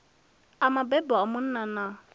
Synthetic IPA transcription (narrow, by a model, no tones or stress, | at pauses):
amabɛbɔamʊn̩nana